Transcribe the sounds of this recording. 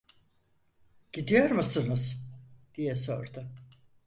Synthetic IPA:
ɟ̥id̪ijo̞ɾmusɯnɯzd̪̥ijɛso̰ɾd̪ʊ

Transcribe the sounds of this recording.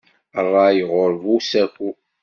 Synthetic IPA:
ərˤːɑjəʁoɾvusækʷːu

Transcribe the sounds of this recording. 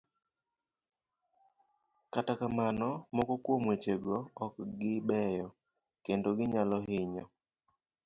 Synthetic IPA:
katakamanɔmɔkɔkwomwet͡ʃeɡɔːkɡɪbɛjɔ | kendoɡɪɲalɔɦɪɲɔ

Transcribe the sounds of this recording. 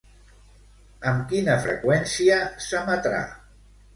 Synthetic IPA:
əmkinəfɾə̰kwɛnsiəsəmət̪ɾa̰

